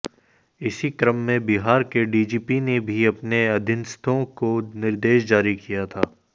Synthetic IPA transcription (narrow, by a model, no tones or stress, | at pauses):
ɪsikɾəmːẽbɪɦaːɾkeɖiːd͡ʒiːpinebʱiɐpneɐd̪ʱɪnst̪ʰõkonɪɾd̪eːʃd͡ʒaːɾikijat̪ʰaː